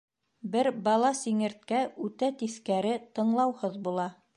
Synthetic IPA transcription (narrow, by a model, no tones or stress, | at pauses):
bɘɾbɑlˠɑsiŋɘ̆ɾt̪̚kæʉt̪æt̪iskæɾɘt̪ɤ̆ɴlˠɑwhɤðbulˠɑ